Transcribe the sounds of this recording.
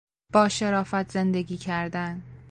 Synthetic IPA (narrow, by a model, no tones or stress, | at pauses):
b̥ɒːʃe̞ɾɒːfæt̪ʰz̥e̞nd̪e̞ɡiːcʰæɾd̪æn